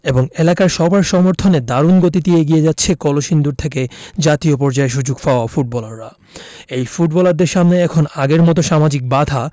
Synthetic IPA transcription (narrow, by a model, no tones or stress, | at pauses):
eboŋelakaɾʃɔbaɾʃɔmoɾt̪ʰoned̪aɾunɡot̪̬it̪ieɡied͡ʑatːɕʰekɔloʃind̪uɾt̪ʰek̬ed͡ʑat̪iop̬ɔɾd͡ʑaeʃ̬ud͡ʑuɡfaoafuʈ̚bɔlaɾːa | ejfuʈbɔlaɾd̪eɾʃamneɛkʰonaɡeɾmɔt̪̬oʃamad͡ʑik̚bad̪ʱa